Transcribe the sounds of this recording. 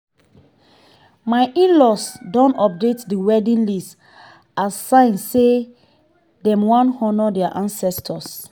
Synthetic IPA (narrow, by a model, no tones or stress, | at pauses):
maɪʔĩnlɔsdɔ̃nɔp̚detdiwɛdĩnlis | asːãɪ̃nse | dɛ̃mwɔ̃nthɔnɔdɛaʔãnsɛstʰɔs